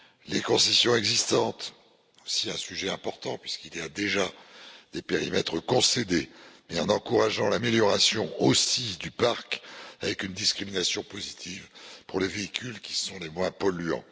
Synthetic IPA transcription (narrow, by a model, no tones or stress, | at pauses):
lekɔ̃sisjɔ̃ɛɡzist̪ɑ̃t̪ | osiɛ̃syʒɛɛ̃pɔʁt̪ɑ̃pɥiskiljad̪eʒad̪̥epeʁimɛt̪χəkɔ̃sed̪emɛɑ̃nɑ̃kuʁaʒɑ̃lameljɔʁasjɔ̃osid̪ypaʁkavɛkynd̪iskχiminasjɔ̃pozit̪ʰivpuʁleveikʲʰylkʲi̥sɔ̃lemwɛ̃pɔlyɑ̰̃